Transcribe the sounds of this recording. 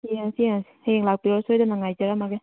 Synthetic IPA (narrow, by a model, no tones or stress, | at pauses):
iasiasi̥heŋlak̚piɾɔsɔjdanaŋajzaɾamaɡe